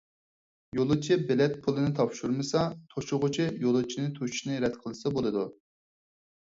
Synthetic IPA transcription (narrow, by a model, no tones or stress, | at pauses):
jolˠɨt͡ʃʰibɛlɛt̪̚pʰulˠɨnɨt̪ʰɑpʃuɾmɨsɑt̪ʰoʃʊʁʊt͡ʃʰijolˠɨt͡ʃʰinɪt̪ʰut͡ʃu̥ʃnɨɾɛd̪qʰəlˠɨsɑbolˠɨd̪u